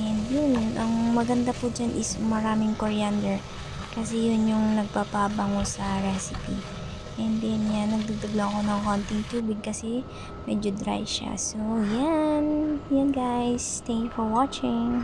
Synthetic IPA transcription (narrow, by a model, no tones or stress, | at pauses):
ʔɛnd̪jʊnʔɐŋmɐɡɐnd̪apʊd͡ʒanʔɪsmɐɾaːmɪŋkoɹijand̪ɛɹ | kɐsɛjʊnjʊŋnɐɡ̚papabɐŋosɐɹɛsɪpi | ʔɛnd̪ɛnjanːɐɡ̚d̪ɐd̪ɐɡlɐʔɐko̞nɐŋkont̪ɪŋt̪uːbɪɡ̚kɐsɛ | mɛd͡ʒod̪ɾa̰jʃa̰sojanjanɡajst̪ɛŋkfoɹwat͡ʃɪŋ